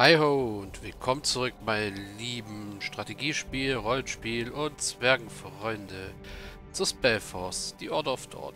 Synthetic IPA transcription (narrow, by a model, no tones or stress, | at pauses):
haɪɦoʊʊntv̥ɪlkʰɔmənt͡suʁʏkmaɪliːbm̩ʃtʁ̥ateɡiːʃpiːlʁɔlənʃpiːlʊntt͡sv̥ɛɐɡŋ̩fʁ̥ɔʏndə | t͡suspɛlfɔsd̥iːʔɔɐtəaʊfd̥ɔ̰ɐt